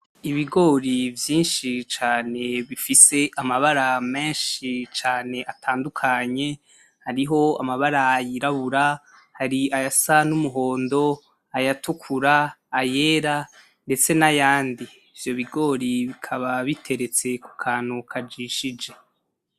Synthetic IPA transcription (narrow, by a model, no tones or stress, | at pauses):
iβiɡo̞ːɾivjiːnʃit͡ʃaːne̞βifise̞ʔamaβaɾame̞ːnʃit͡ʃaːne̞ʔatʰaːndukʰaɲe̞ | haɾiɦo̞a̰maβaɾajiɾaβuɾa | haɾiajasanumuɦo̞ːndo̞ | ajatukʰuɾaːje̞ːɾa | nde̞t͡se̞najaːndiːvjo̞βiɡo̞ːɾiβikʰaβaβitʰe̞ɾe̞t͡se̞kukʰaːn̥hukʰad͡ʒiʃid͡ʒe̞